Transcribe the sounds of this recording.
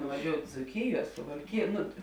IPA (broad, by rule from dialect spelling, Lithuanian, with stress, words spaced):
nʊʋɐˈʒʲoːʊtʲ d͡zuːˈkʲɪjuɔ sʊʋɐlʲˈkʲɪjuɔ ˈnʊ